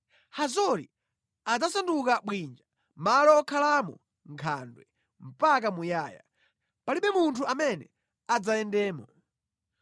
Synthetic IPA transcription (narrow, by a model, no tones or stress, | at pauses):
hazɔɾḭ | ad͡zasandukaɓwind͡ʒa | malɔːkʰalamɔ̰ | ŋkʰandwɛ | m̩pak̬amujaːja̰ | paliɓɛmuntʰuamɛnɛ̰ | ad͡zajɛndɛːmɔ